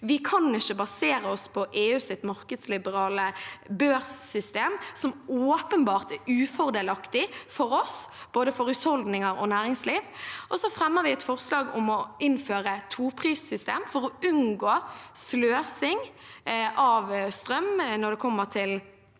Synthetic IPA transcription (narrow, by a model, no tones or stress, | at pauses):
ʋɪkʰɑnɪçəbɑseːɾəɔspʰɔʔeːʉːsɪt̪mɑʁkəd̪slɪbəʁɑːləbøːʁssʏst̪eːmsɔmoːpənbɑːʁt̪ɛʉːfɔʁd̪eːlɑkt̪ɪfɔɾɔs | b̥oːd̪əfɔɾʉshɔld̪nɪŋəɾɔ̰næːɾɪŋsliːʋʔɔsɔfɾɛmːəʁʋɪɛt̪fɔʁslɑːɡʊmɔɪnføːɾət̪ʰuːpʰʁiːsːʏst̪eːmfɔɾɔʉnɡoːsløːsɪŋ | ʔɑʋst̪ɾœmnɔd̪ɛkʰɔmːəʁt̪ʰɪl